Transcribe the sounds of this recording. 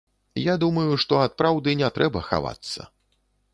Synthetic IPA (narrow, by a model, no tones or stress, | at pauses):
jad̪umɐjuʂt̪ɔat̪̚pɾawd̪ɨnʲɛt̪ɾʔɛbɐxa̰va̰t̪sːɐ̰